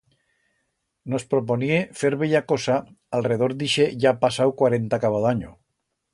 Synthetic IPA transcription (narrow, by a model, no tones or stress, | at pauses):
nospɾoponiefeɾβeʎakosa | alreð̞oɾd̪iʃeʝapasawkwaɾent̪akaβ̞aðaɲo